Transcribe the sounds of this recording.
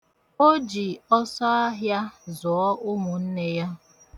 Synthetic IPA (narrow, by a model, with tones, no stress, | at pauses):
o˦d͡ʒi˨ɔ˦sɔ˦a˦ɦja˦zɔ˨ɔ˦ʔʊ˦mʊ˨n̩˦ne˦ja˦